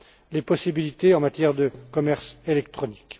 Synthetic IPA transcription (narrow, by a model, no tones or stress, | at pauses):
lepɔsibilit̪eɑ̃mat̪jɛʁd̪əkɔmɛʁselɛk̚t̪χɔni̥k